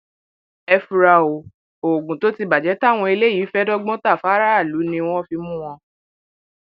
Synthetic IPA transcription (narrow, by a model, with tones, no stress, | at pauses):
ɛ˧fu˧ɾa˧˨o˨ | o˨ɡũ˨to˨˦ti˧ba˨d͡ʒɛ˨˦ta˦˨w̃ɔ̃˧i˧le˦i˨˦fɛ˦dɔ˦ɡ͡bɔ̃˦ta˦˨fa˨˦ɾa˦a˦˨lu˨˦nĩ˧w̃ɔ̃˦fi˧mũ˦w̃ɔ̃˧